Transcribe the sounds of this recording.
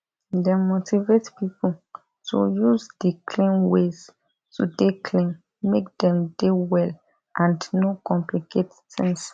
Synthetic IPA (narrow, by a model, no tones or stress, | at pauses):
demotʰivetpipo | tʰṵjuzdikʰlĩnwez | tudekʰlĩn | mek̚dɛ̃mdewɛl | ʔãndnokɔ̃mpliket | sɛ̃ns